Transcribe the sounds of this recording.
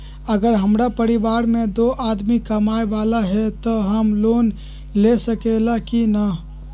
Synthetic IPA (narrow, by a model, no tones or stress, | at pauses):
əɡəɾɦəmɾapəɾibaɾmed̪oʔad̪mikəmaeʋalaɦet̪ɔɦəmlon | lesəkelakinə